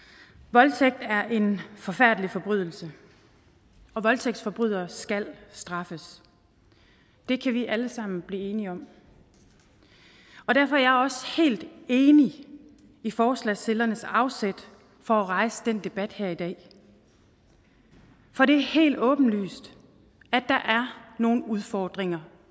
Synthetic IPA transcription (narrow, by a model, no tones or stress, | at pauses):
ʋɒ̽lt͡sʰeɡ̥̚d̥æɐʔe̝nfɒ̽fæɐ̰d̥əlifɒ̽b̥ʁyð̞̰ˠl̩sə | ɒ̽ʋɒ̽lt͡sʰeɡ̥̚d̥sfɒ̽b̥ʁyð̞̰ˠɐsɡ̥æl̰sd̥ʁɑ̈fəs | d̥e̝kʰæʋiʔæləsɑ̈m̰n̩b̥liːe̝ːniɒ̽m | ɒ̽d̥æɐfɒ̽æɐjɑ̈ɪɒ̽she̝̰ːld̥e̝ːni | ifɒːslɛselɐnəsɑ̈ʊsed̥ | fɒ̽æʁɑ̈ɪsəd̥en̰d̥e̝b̥æd̥heɐ̰id̥ɛ̰ː | fɒ̽ɾ̥e̝æɐhe̝̰ːld̥ɔ̽ːb̥n̩ly̰ːsd̥ | æd̥ɑ̈ʔæɐno̝ːn̩uðˠfɒːd̥ʁeŋɐ